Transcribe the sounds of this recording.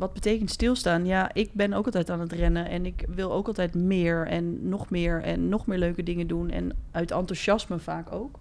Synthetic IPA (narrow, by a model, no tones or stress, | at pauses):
ʋɑd̚bətejkəntstɪlˠstaːnjaːʔɪk̚bɛnowklˠtɛjtaːnətrɛnəɛnɪkʋɪlˠowkɑlˠtɛjtmɪːɹɛnːɔχmɪːɹɛ̰nːɔχmɪːɹløɥkədɪŋədunɛ̰nœɥtɑntuʃɑsməfaːkowk